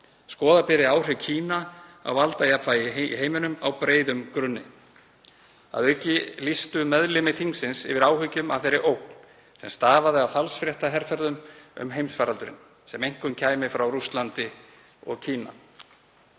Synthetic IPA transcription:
skɔːðapɪɾɪawr̥ɛwcʰiːnaa̰wvalt̪ajapʰfaːjɪḭɦeːjmɪnʏmawpɾeːjðʏmkɾʏnːɪ | a̰ðœɥcɪlist̪ʏmɛðlɪmɪt̪ʰiŋsɪnsɪ̰vɪɾaːwhʏcʏma̰v̥θejɾɪʔowk̚n̥ | sɛmst̪aːvaðɪafalsfɾjɛht̪aɦɛɾfɛɾðʏmʏ̰mɦejmsfaːɾalt̪ʏɾɪ̰n | sɛmejŋ̥kʏncʰaːjmɪfɾawɾust̪lant̪ɪ | ɔ̰ɣcʰiːna̰

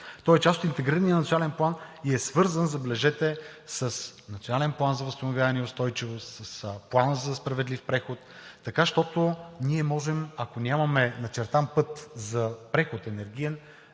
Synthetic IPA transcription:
t̪ɔɛt͡ʃast̪ot̪int̪ɛɡɾiɾənijənt̪sionalɛnplˠaniɛsvɤɾzənzɐblɛʒɛt̪ɛsəsnɐt̪sionalɛnplˠanzɐvəst̪onovʲjʲavɐnɛɛʊst̪ɔjt͡ʃivost̪səsplˠanzɐspɾɐvɛd̪lifpɾɛxot̪ːɐkaʃt̪ɔt̪ʊniɛmɔʒɛmɐkonʲamɐmɛnɐt͡ʃɛɾt̪ampɤt̪zɐpɾɛxot̪ɛnɛɾɡʲijɛn

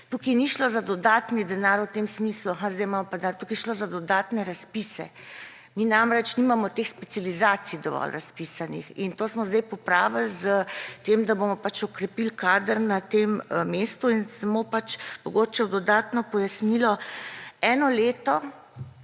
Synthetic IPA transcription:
t̪ukiniʃlozad̪ɔd̪aːt̪nid̪ɛnaɾwt̪eːmsmisluaɦãzd̪ɛjmamɔpad̪at̪ukiɛʃloːzad̪ɔd̪aːt̪nɛɾaspisɛ̰ | minamɾɛt͡ʃnimamɔt̪exspɛt̪sijalizaːt̪sijd̪ɔʋɔ̰lɾaspisanixint̪oːsmɔzd̪ɛjpɔpɾaːʋəlzət̪emd̪abomɔpat͡ʃɔkɾɛpilkaːd̪əɾnat̪emmeːst̪uinsamopat͡ʃmɔɡoːt͡ʃɛwd̪ɔd̪at̪nɔpɔjasnilɔ | ɛnɔleːt̪ɔ

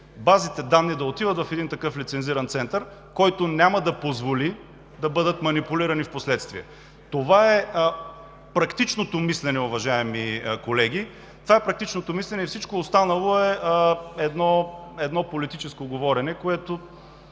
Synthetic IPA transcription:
bazit̪ɛd̪anːid̪ɐot̪ivət̪vɐfɛd̪int̪ɐkɤflit̪sɛnziɾɐnt̪sɛnt̪əɾkɔjt̪onʲamɐd̪ɐpozvoli | d̪ɐbɤd̪ət̪mɐnipuliɾɐnifposlɛt̪st̪viɛ | t̪ovaɛ | pɾɐkt̪it͡ʃnot̪omislɛnɛʊvɐʒaɛmikolɛɡ̟i | t̪ovaɛpɾɐk̚t̪it͡ʃnot̪omislɛnɛifsit͡ʃkoːst̪anɐlˠoɛ | ɛd̪nɔɛd̪nɔpolit̪it͡ʃɛskoɡovɔɾɛnɛkoɛt̪o

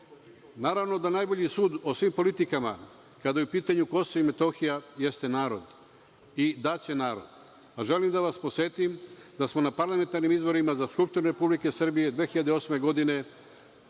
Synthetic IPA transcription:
naːɾaʋno̞d̪anajbo̞ʎisuːd̪osʋimpo̞lit̪ikama̰ | kad̪ajupiːt̪aɲuko̞soime̞t̪o̞xijaje̞st̪e̞naːɾo̞d̪ | id̪at͡ɕe̞naːɾo̰d̪ | aʒe̞limd̪aʋaspo̞sʋe̞t̪imd̪asmo̞napaɾlˠame̞nt̪aɾnimizbo̞ɾimazaskulpʃt̪uɾneɾe̞publike̞sr̩bije̞d̪ʋe̞ːxiʎad̪eo̞sme̞ɡo̞d̪ine̞

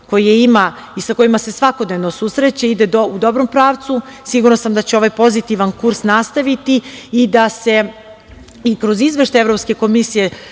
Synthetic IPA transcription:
ko̞jijeima | isako̞jimase̞sʋako̞d̪ne̞ʋno̞suːsɾet͡ɕeid̪e̞d̪oud̪o̞bɾo̞mpɾaːʋt̪susiɡuɾnosamd̪at͡ɕeo̞ʋajpo̞zit̪iʋankuɾsnast̪aʋit̪iːd̪ase̞ | ikɾo̞zizʋe̞ʃt̪ajevɾo̞pske̞ko̞misije̞

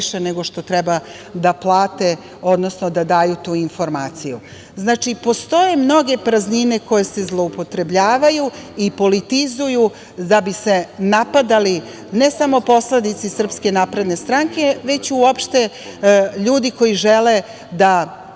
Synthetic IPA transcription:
ʃene̞ɡo̞ʃt̪o̞t̪ɾɛba | d̪aplˠaːt̪e̞ | o̞d̪no̞snod̪ad̪aːjut̪uːinfo̞ɾmaːt̪siju | znaːt͡ʃipo̞st̪o̞je̞mno̞ɡe̞pɾaznine̞ko̞je̞se̞zlˠo̞upo̞t̪ɾe̞bʎaːʋajuipo̞lit̪izuju | d̪abise̞napad̪ali | ne̞samo̞po̞sled̪it̪sisr̩pske̞napɾe̞d̪ne̞st̪ɾaŋke̞ʋe̞t͡ɕuopʃt̪e̞ | ʎuːd̪iko̞jiʒele̞ | d̪a

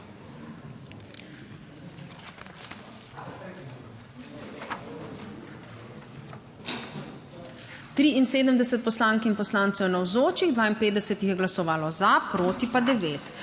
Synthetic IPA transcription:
t̪ɾiinseːd̪əmd̪ɛsɛt̪̚pɔslaːŋkinpɔslaːnt̪sɛwnawzoːt͡ʃiɣd̪ʋaːinpeːd̪d̪ɛsɛt̪jixjɛɡlasɔʋaːlɔzapɾoːt̪ipad̪ɛʋeːt̪

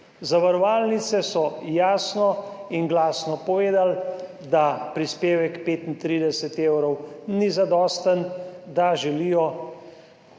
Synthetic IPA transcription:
zaʋaɾɔʋaːlnit̪sɛsɔjaːsnɔinɡlaːsnɔpɔʋeːd̪al | d̪apɾispeːʋɛkpeːt̪int̪ɾiːd̪ɛsɛt̪eːwɾɔwnizad̪ɔːst̪ənd̪aʒɛlijɔ

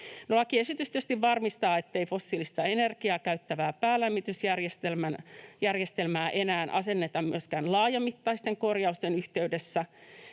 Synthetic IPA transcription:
nolɑkiesit̪yst̪yst̪iʋʋɑrmist̪ɑːet̪ːeifosːiːlist̪ɑenerkiɑːkæyt̪ːæʋæːpæːlæmːit̪ysjærjest̪elmænjærjest̪elmæːʔenæːnʔɑ̰senːet̪ɑmmyøskæːnlɑːjɑmːit̪ːɑist̪eŋkorjɑust̪enyht̪eydesːæ

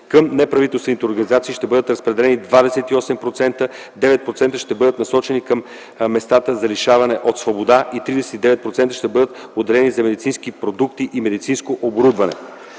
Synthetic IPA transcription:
kəmnɛpɾɐvit̪ɛlˠst̪vɛnit̪ɛoɾɡɐnizat̪siːʃt̪ɛbɤd̪ət̪ɾɐspɾɛd̪ɛlɛnid̪vad̪ɛsɛt̪iɔsɛmpɾot̪sɛnt̪ə | d̪ɛvɛt̪̚pɾot̪sɛnt̪əʃt̪ɛbɤd̪ət̪nɐsɔt͡ʃɛnikəmː | ɛst̪at̪əzɐliʃavɐnɛʔot̪svobod̪aʔit̪ɾid̪ɛsɛ̥t̪id̪ɛvɛt̪̚pɾot̪sɛnt̪əʃt̪ɛbɤd̪ət̪od̪ɛlɛnizɐmɛd̪it̪sinskipɾod̪ukt̪iʔimɛd̪it̪sinskoʔoboɾud̪vɐnɛ̰

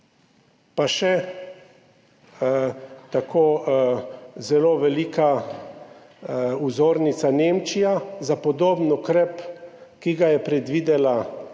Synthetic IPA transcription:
paʃɛ | t̪akʰoː | zɛloːʋɛlika | uzoːɾnit̪saneːmt͡ʃijazapɔd̪oːbnukɾɛpkiɡajɛpɾɛd̪ʋiːd̪ɛla

